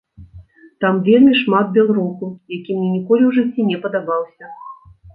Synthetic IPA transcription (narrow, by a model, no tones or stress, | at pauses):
t̪amvʲelʲmʲiʂmat̪̚bʲɛlˠɾusujakʲimnʲɛnʲikɔlʲiwʐɨt͡sʲːinʲɛpɐd̪abawsʲɐ